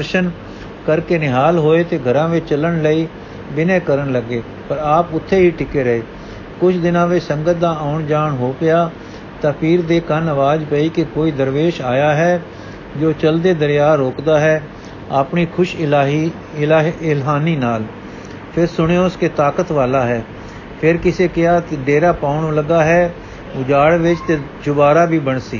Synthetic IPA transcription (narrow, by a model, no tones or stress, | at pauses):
əɾʃən | kəɾkeːnɪɦaːlɦoːet̪eːɡʱəɾãːʋɪt͡ʃələɳləiː | bɪneːkəɾəɳləɡeː | pəɾaːpʊt̪ʰːeɦiːʈɪkeːɾəɦeː | kʊt͡ʃʰd̪ɪnãːʋɪt͡ʃsə̃ŋɡət̪̚d̪aːaːʊɳd͡ʒaːɳɦoːpɪjaː | t̪ãːpʰiːɾd̪eːkənəʋaːd͡ʒpəiːkekoːiːd̪əɾʋeːʃaːjaːɦɛː | d͡ʒoːt͡ʃəld̪eːd̪əɾɪjaːɾoːkd̪aːɦɛː | əpniːkʰʊʃɦi | ɪlɦaːniːnaːl | pʰɪɾsʊɽeʊskeːt̪aːkət̪ʋaːlaːɦɛː | pʰɪɾkɪseːkɪaːt̪eɖeːɾaːpaːʊɳːləɡaːɦɛː | ʊd͡ʒaːɽʋɪt͡ʃt̪eːd͡ʒʊbaːɾaːbʱiːbəɳsḭː